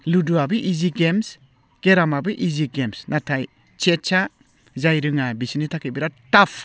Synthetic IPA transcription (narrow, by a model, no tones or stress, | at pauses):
luduabɯʔiziɡems | ɡ̥eɾamabɯʔiziɡemsnatʰaj | t͡ʃet͡ʃʰa | zajɾɯŋabisinitʰakibiɾatapʰ